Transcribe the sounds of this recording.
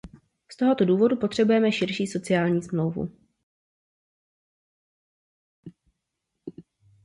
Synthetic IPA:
st̪o̞ɦo̞t̪o̞duːvo̞dupo̞t̪r̥ɛbujɛmɛʃɪɾʃiːso̞t͡sɪjaːlɲiːsmlo̞wvṵ

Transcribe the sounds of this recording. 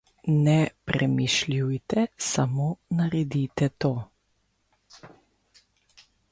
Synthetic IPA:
nɛpɾʔɛmiʃljujt̪ɛsamoːnaɾɛd̪iːt̪ɛt̪oː

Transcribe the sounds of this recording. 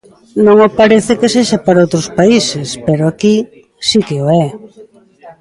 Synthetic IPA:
nõŋopaɾeθekeseʃapaɾaowt̪ɾʊspaisespeɾoaki | sikeoɛ

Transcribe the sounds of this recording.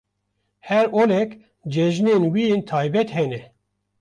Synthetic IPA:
hɛɾoːlɛk | d͡ʒɛʒneːnwijeːnt̪ʰaːjbɛt̪hɛnɛ

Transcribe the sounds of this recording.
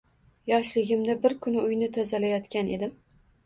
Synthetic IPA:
jɒʃlɪɡʲɪmd̪abɪɾkʰʊnɪʊjnɪt̪ʰɒzalajɒt̪kʲane̞d̪ɪm

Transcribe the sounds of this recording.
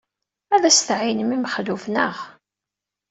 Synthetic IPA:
æðæst̪ʕinəmimχlufnəʁ

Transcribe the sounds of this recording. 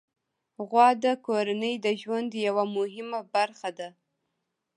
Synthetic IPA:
ɣwɑd̪əkoɾanəjd̪əʒwand̪jawamʊɦɪmabaɾxad̪a

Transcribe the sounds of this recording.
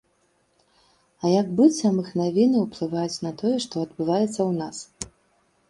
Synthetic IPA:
ɐjaɡbɨt͡sʲamɨxnavʲinɨwplˠɨvajut͡sʲnɐt̪ɔjɛʂt̪ɔɐd̪bɨvajɛt̪sːɐwnas

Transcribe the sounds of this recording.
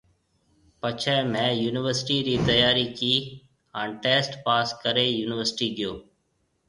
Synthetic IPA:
pət͡ʃʰɛ̃ːmɛ̃ːjuːnɪʋəɾsʈiːɾiːt̪əjaːɾiːkiː | ãːɳʈeːsʈpaːskəɾeːjuːnɪʋəɾsʈiːɡɪjoː

